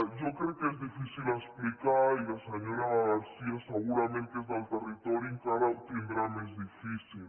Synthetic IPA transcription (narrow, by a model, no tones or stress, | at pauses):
d͡ʒokɾeokeezðifisilesplikaɾilaseɲoɾaɣalsiaseɣuɾamẽnt̪eezðelt̪erit̪oɾjueŋkaɾaut̪end̪ɾanezðifisil